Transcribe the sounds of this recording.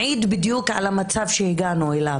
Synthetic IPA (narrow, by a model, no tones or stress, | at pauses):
ʕiːd̪bid̪jukʕa̰lamat͡savʃehiɡanuela